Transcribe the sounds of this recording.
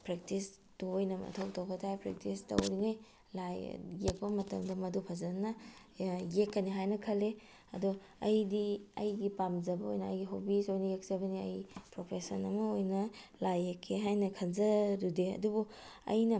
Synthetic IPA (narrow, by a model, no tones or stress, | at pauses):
pɾek̚tis | tuojnɐmɐ̰tʰɐwtɐwbɐtʰajpɾḛk̚tistɐ̰wɾiŋɐj | laj̰ːek̚pɐmɐtɐmdɐmɐdupʰɐzɐnːɐ | jekːɐniɦajnɐkʰɐlːe | ɐ̰du | ɐjdiɐ̰jɡipamzɐbɐo̰jnɐɐjɡiɦobisojnɐjek̚z̥ɐbɐniɐ̰jpɾopʰesɐnɐmɐojnɐlajekʰːeɦajnɐkʰɐnzɐɾudeɐ̰dubuɐ̰jnɐ